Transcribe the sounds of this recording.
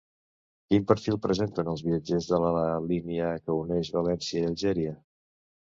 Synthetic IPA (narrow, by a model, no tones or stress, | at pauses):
kimpəɾfilˠpɾəzent̪ənəlˠzβiəd͡ʒezðələəliniəkəunɛʒβəlɛnsiəiəlˠʒɛɾiə